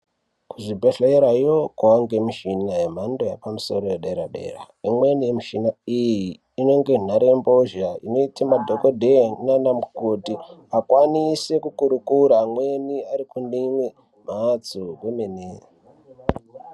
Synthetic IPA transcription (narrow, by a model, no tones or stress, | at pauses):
kuʐibʱeɬeeɾaijokawaŋɡemiʃinajem̤andojapamuso̞̰ɾojeɗeɾaɗe̞̰ra̰ | imwe̞nijemiʃinaijiː | no̞ŋɡe̞naɾembo̞ʒaḭno̞itamadʱokodʱennanamukotiakwanise̞kukuɾukuɾamwe̞niaɾikundimwe | m̤at͡sukwemene